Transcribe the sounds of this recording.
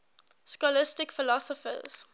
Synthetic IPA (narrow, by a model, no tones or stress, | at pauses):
skɔlɪstɪkfɪlɔsɔfə̰z̥